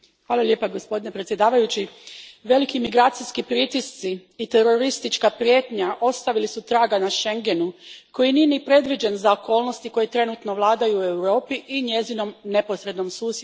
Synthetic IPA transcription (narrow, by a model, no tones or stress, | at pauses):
xʋaːlˠalʲje̞ːpaɡospo̞d̪ine̞pɾet̪sje̞d̪aːʋajut͡ɕiʋe̞likimiɡɾaːt̪sijskipɾit̪ist̪siːt̪e̞ɾo̞ɾist̪it͡ʃkapɾje̞ːt̪ɲaʔo̞st̪aʋilisut̪ɾaːɡanaʃe̞ŋɡe̞nuko̞jinijenipɾe̞d̪ʋid͡ʒenzaokʰo̞ːlno̞st̪iko̞jet̪ɾe̞nut̪no̞ʋlˠaːd̪ajuːe̞wɾo̞ːpiʔiɲe̞zino̞mne̞po̞sɾe̞d̪no̞msuːsj